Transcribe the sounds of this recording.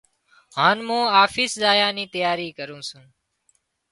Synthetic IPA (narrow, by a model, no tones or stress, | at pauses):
ɦaːnmũːaːfɪːszaːjãːnĩːt̪əjaːɾiːkəɾũːsũː